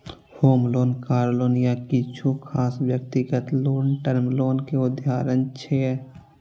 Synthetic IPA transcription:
hoːmloːnkaːɾloːnijakit͡ʃʰukʰaːswjək̚t̪ɪɡət̪loːnʈəɾmloːnkeʊd̪ʱjaːɾənt͡ʃʰeː

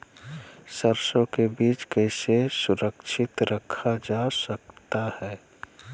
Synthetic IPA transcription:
səɾsõkebiːt͡ʃkɛɪsesʊɾəkʃʰɪt̪ɾəkʰad͡ʒaːsɐk̚t̪ahɛː

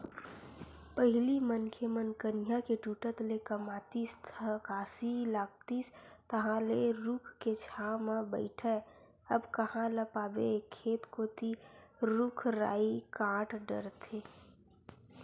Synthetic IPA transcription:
pəɦɪlimənkʰemənkənɪjakeʈuːʈət̪lekəmaːt̪iːst̪ʰəkaːsilaːk̚t̪iːst̪əɦãleɾukʰket͡ʃʰaːmãbə̰ɪʈʰɛ | əbkəhãləpaːbekʰːeːt̪kot̪ʰiɾʊkʰɾa̰ːikãːʈɖə̰ɾt̪ʰeː

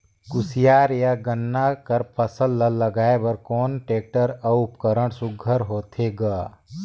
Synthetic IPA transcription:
kʊsɪjaːɾjaɡənːakəɾpʰəsəlːəlːɐɡaːebəɾkɔːnʈeːk̚ʈəɾəʊpkəɾəɽ̃sʊɡʱəɾɦoːt̪ʰeɡaː

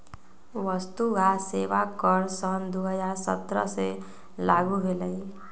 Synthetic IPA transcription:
ʋəst̪uɡaseːʋakəɾsənd̪oːɦəd͡ʒaːɾsə̰t̪ɾə̰se | laːɡuɦeləi

